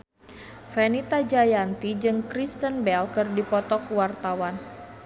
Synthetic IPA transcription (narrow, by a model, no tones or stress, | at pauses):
fɛnit̪ad͡ʒajant̪id͡ʒɨŋkɾist̪ənbɛlkɨrdipɔt̪ɔkwart̪awan